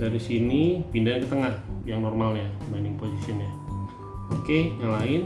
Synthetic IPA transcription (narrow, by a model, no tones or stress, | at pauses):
daɾisinipindaɲakət̪əŋahjaŋnɔrmalɲabandɪŋposisinɲa | okejalaɪn